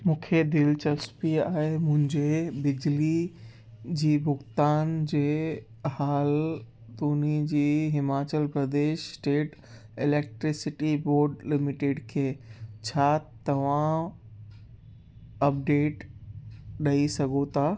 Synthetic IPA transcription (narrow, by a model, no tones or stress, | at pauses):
mũːkʰed̪ɪlt͡ɕɐspiaːɦemʊ̃ɦɪ̃ɲd͡ʑebɪd͡ʑli | d͡ʑiːbʊxt̪aːnd͡ʑeː | haːl | t̪uːnid͡ʑiːɦɪmaːt͡ɕəlpɾɐd̪eːʃsʈeːʈ | ɪleːk̚ʈɾɪsɪʈiboːɾɖlɪmɪʈeɖkʰeːt͡ɕʰaːt̪ɐʋ̤ã | ɐp̚ɖeːʈ | ɗɐisɐɡʱot̪ʰaː